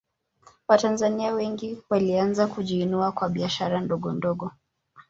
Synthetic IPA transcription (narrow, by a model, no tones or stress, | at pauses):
watanzaniawɛŋɡiwalianzakuʄiːnuakwaɓiaʃaɾandɔɠɔndɔɠɔ